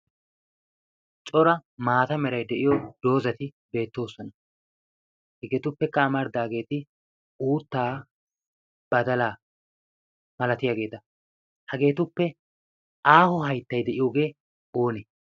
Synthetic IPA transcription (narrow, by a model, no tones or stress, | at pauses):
t͡ʃʼɔɾɐmaːt̪ɐmɛɾɐjd̪ɛʔɪjɔd̪̥o̞ːzɐt̪ɪ | be̞ːt̪ːo̞ːsɔnɐ | hɛɡɛːt̪ʊpːɛkːɐːmɐɾd̪aːɡe̞ːt̪ɪ | uːt̪ːaː | b̥ɐd̪ɐlaː | mɐlɐt̪ɪjaːɡe̞ːt̪ɐ | hɐɡe̞ːt̪ʊpːɛ | ʔaːhɔhɐjt̪ːɐjd̪ɛʔɪjoːɡe̞ː | o̞ːnɛ